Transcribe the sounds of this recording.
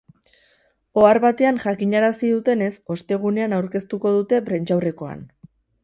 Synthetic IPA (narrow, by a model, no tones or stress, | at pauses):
o̞aɾβat̪e̞anʝakiɲaɾasiðut̪e̞ne̞so̞st̪e̞ɣ̞une̞anawɾke̞st̪uko̞ð̞ut̪e̞pɾe̞nt͡ʃawre̞ko̞a̰n